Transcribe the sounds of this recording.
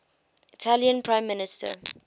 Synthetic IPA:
ɪtʰaljə̃npʰɹãɪ̃mːɪnɪstə̰

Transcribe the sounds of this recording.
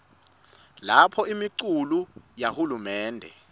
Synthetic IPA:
lapʰɔimiǀulujahulumɛːndʱɛ̰

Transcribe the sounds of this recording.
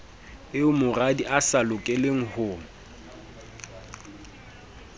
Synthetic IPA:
ɪʊmʊradiʔasalʊkʼɛleŋ̩hʊː

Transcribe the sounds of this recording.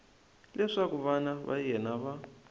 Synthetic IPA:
lʔɛʂakuβanaβa̰jɛnaβa

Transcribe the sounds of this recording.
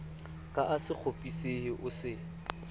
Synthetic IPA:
kʼaʔasɪk͡xʰopʼisehɪʔʊsɪ

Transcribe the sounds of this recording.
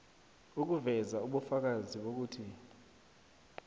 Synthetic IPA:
uk̬uvɛzauɓufak̬aziɓok̬uːtʰi

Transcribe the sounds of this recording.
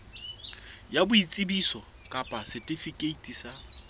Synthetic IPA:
jabʊit͡sʼɪbisɔ | kʼapʼasɛtʼɪfikʼeitʼisa

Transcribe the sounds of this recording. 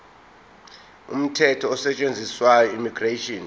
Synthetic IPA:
ṵm̩tʰɛtʰɔːsɛt͡ʃʼend͡zʱiswajɔimiɡretiɔn

